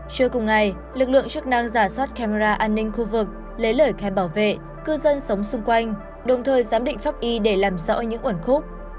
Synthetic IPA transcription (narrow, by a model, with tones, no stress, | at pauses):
t͡ɕɨ˧əkʊ˨˩ŋ͡mŋa˨˩j | lɨ˨˩k̚lɨ̰˧˨əŋt͡ɕk̚na˧ŋzaː˧˩swaː˦˥t̚ka˧me˧zaː˧ʔaː˧nːï˧ŋ̟xu˧vɨ˨˩k̚ | le˨˦ləː˧˩jkaː˨˦ɓaː˧˩wvḛ˧˨ | kɨ˧zə˧nsə˨˦wŋ͡msʊ˧ŋ͡mkwa˧jŋ̟ | ɗə˨˩wŋ͡mt̪ʰəː˨˩jzaː˨˦mɗḭ˧˨ŋ̟faː˦˥p̚ʔi˧ɗe˧˩laː˨˩mzɔ̰˧˥ɲɨ̰˧˥ŋʔwə˧˩nxʊ˦˥k͡p̚